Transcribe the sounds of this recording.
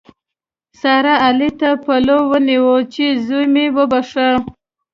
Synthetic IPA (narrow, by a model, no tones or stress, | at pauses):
sɑɾaːlit̪apalowəniwot͡ʃezujmewəbaʂə